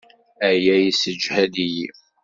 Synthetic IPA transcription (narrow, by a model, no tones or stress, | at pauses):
æjæjisəd͡ʒhæd̪iji